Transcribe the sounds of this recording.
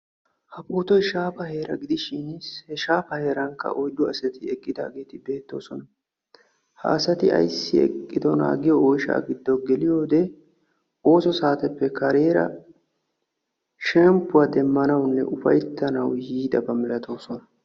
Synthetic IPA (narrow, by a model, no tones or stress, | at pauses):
hɐpʼuːt̪ɔjʃaːpɐhe̞ːɾɐɡɪd̪ɪʃɪnshɛʃaːpɐhe̞ːɾɐŋkːɐ̰ʔɔjd̪ʊɐsɛt̪ɪɛkʼːɪd̪a̰ːɡe̞ːt̪ɪbe̞ːt̪ːo̞̰ːsɔnɐ | ha̰ːsɐt̪ɪɐ̰jsːɪɛ̰kʼːɪd̪ɔna̰ːɡɪjɔɔjʃa̰ːɡɪd̪ːɔɡɛlɪjo̞ːd̪ɛ | o̞ːsɔsaːt̪ɛpːɛkɐɾe̞ːɾɐ̰ | ʃɛmpːʊwaːd̪ɛmːɐnɐwnːɛ̰ʔʊfɐ̰jt̪ːɐnɐwjiːd̪ɐbɐmɪlɐt̪o̞ːsɔnɐ